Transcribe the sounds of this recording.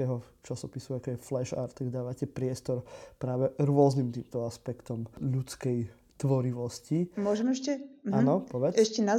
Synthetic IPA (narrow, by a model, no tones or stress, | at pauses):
ɛɦɔt͡ʃasɔpisuakɔjɛflɛʃa̰ɾt̪ːaɡd̪aːʋacɛpɾɪɛst̪ɔɾpɾaːʋɛɾʊɔznimt̪iːmt̪ɔaspɛkt̪ɔmʎut͡skɛj | t̪ʋɔɾiʋɔscimʊɔʒɛmɛʃcɛanɔpɔʋɛɛʃcɛna